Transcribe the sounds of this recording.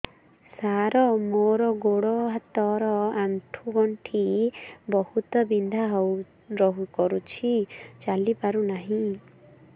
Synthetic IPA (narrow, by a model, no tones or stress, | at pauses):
saɾɔmoɾɔɡoɽɔɦat̪ɔɾɔaɳʈʰuɡɔɳʈʰibɔhut̪ɔbind̪ʱaɦow | ɾɔɦukɔɾut͡ʃʰit͡ʃalipaɾunaɦĩ